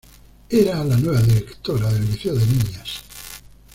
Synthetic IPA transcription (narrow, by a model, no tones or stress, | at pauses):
eɾalanweβaðiɾekt̪oɾaðelβiθeoðenĩɲas